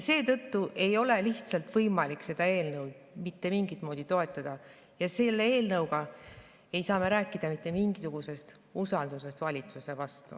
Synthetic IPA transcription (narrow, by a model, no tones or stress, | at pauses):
se̞ːt̪ɤt̪ːuʔe̞jo̞le̞liçt̪sɑlt̪vɤjmɑlikse̞d̪̥ɑe̞ːlnɤwd̪ | mit̪ːe̞miŋɡit̪̚ˑmo̞ːd̪̥it̪o̞e̞t̪ːˑɑd̪̥ɑ | jɑse̞lːeeːlnɤwɡ̥ɑ | e̞jsɑːme̞ɾæːkːˑid̪̥ɑmit̪ːˑe̞miŋɡ̥isuɡ̥use̞st̪ | usɑld̪̥us̬e̞st̪vɑlʲit̪suse̞vɑst̪ṵ